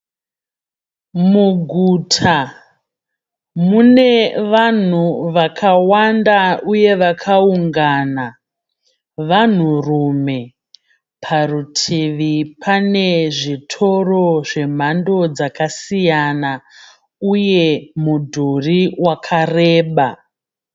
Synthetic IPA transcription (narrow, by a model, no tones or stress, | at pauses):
muɡʱuːtʰa | mune̞ʋan̤uʋakʰawandauje̞ʋakʰauŋɡaːna | ʋan̤urume̞ | pʰarutʰiʋipʰane̞ʐitʰo̞ro̞ʐe̞m̤ando̞d͡zakasijana | uje̞mudʱuriwakʰareːɓa